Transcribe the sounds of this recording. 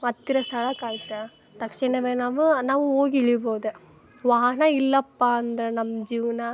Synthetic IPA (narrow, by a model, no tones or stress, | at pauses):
ɐt̪ːiɾɐst̪ʰɐɭɐkaːjt̪ːɐ | t̪ɐkʂiɳɐʋeːnaːʋɯnaːʋuoːɡiɭiboːd̪u | ʋaːnɐilːɐpːaːɐnd̪ɾɐnɐmːɐd͡ʒiːʋɐnɐ